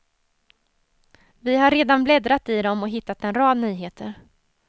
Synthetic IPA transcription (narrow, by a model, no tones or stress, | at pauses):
vɪɦaɾːeːd̪anblɛd̪ɾat̪ɪd̪ɔmɔɦɪt̪ːat̪ɛnɾɑːd̪nyːɦeːt̪ʰə̰ɾ